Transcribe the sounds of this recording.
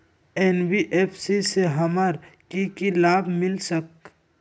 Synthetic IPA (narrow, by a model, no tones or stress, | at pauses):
eːnbiʔeːpʰsiseɦɐməɾkikilaːbmɪlsək